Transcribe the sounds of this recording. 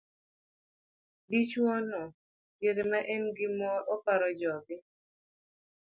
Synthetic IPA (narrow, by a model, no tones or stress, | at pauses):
dit͡ʃwɔnɔ | d͡ʒeɾemaʔɛnɡɪmɔʔɔpaɾɔd͡ʒɔbɪ